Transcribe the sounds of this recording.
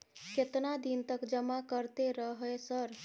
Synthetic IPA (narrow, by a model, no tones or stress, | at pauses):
ket̪nad̪int̪əkd͡ʒəmakəɾt̪eɾəɦesəɾ